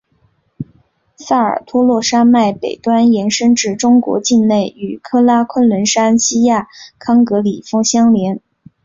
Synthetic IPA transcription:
sa˥˩ə̰˞˨˩t̪ʰwɔ˥lwɔ˥˩ʂa˥ma˥˩ɪpe˨˩ɪt̪wa˥njɛ˧˥nʂə˥ŋʈ͡ʂɻ̩˥˩ʈ͡ʂʊ˥ŋkwɔ̰˧˥t͡ɕi˥˧nne˥˩ɪy˨˩kʰɤ˥la˥kʰwə˥nlwə˧˥nʂa˥nɕi˥ja˥˩kʰɑ˥ŋkɤ˧˥li˨˩fɤ˥ŋɕjɑ˥ŋljɛ˧˥n

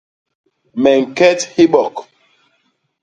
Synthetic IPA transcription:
mɛ˨ŋ˨kɛ˦thi˦ɓɔ˨k

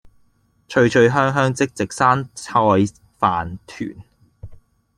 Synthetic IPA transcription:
t͡ʃʰɵ˧ɥt͡ʃʰɵ˨˧ɥɦœː˥ŋɦœː˥ŋt͡sɪ˥k̚t͡sɪ˨k̚saː˥nt͡sʰɔː˧j | faː˨nt̪ʰy̰ː˨˩n

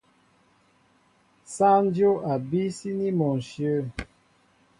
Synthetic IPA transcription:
sã˦n˦djo˦ʔa˨bi˦si˦ni˦mɔ˨n̩˨ʃjə˦˨

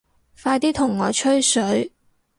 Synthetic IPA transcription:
faː˧jt̪iː˥t̪ʰʊ˨˩ŋːɔː˨˥t͡ʃʰɵ˥ɥsɵ˨˥ɥ

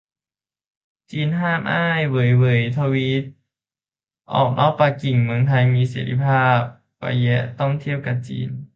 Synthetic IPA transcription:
t͡ɕiː˧nɦaː˥˩mʔaː˥˩jwɤ˨˩˦jwɤ˩˦jt̪ʰa˧wi˦˥t̪̚ | ʔɔ̰ː˨˩k̚nʔɔː˥˩k̚pa˧ki˨˩ŋmɯ˧əŋt̪ʰa˧jmiː˧˥seː˩˦ɾḭ˧˥pʰaː˥˩p̚ | kɔ̰˧˩jɛ˦˥t̪ɔ˥˩ŋt̪ʰi˥˩əw̚ka˨˩p̚t͡ɕḭː˧n

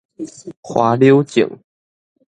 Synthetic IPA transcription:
xwa˨˦ljo˦ʊt͡ɕḭ˨˩˦ŋ

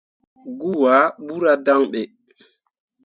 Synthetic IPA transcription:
ɡu˦wa˨˦ɓu˦ɾa˦da˦ŋɓɛ˨

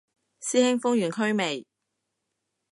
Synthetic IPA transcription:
siː˥hɪ˥ŋfʊ˥ŋjyː˨˩nkʰɵ˥ɥme˨j

